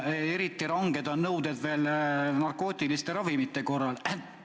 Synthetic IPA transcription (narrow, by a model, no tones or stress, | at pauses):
e̞ɾit̪ːˑiɾɑŋɡ̥e̞d̪̥ɑnɤwd̪̥ed̪̥ve̞ːlnɑrko̞ːt̪ʲˑilist̪e̞ɾɑvimit̪ːe̞ko̞rːɑl